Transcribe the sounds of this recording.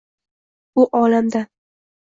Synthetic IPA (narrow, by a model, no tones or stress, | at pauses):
ʊʔɒlamd̪a